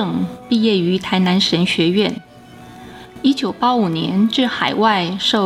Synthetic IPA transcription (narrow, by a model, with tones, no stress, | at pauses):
ɤ˥˩ŋpi˥˧jɛ˥˩y˧˥t̪ʰa˧˥ɪna˧˥nʂə˧˥nɕɥɛ˧˥ɥɛ˥˩n | i˥t͡ɕjo˨˩ʊpa˥u˨˩njɛ̰˧˥nʈ͡ʂɻ̩˥˩xa˨˩ɪwa˥˧ɪʂo˥˩